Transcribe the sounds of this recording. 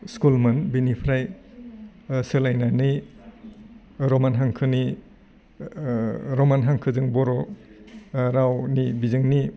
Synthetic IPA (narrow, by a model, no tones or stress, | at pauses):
skulmɐnbinipʰɾaj | sɯlajnanɯj | ɾɔmanɦaŋkʰɯni | ɾɔmanɦaŋkʰɯzɯŋbɔɾɔ | ɾawnibizɯŋni